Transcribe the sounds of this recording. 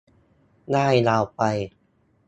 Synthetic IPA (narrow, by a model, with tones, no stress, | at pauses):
naː˥˩jlaː˧wpa˧j